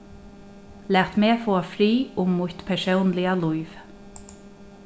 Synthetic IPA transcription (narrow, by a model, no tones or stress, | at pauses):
læːt̪meːfoːafɾiːʊmːʊt̪pʰɛsownlɪalujv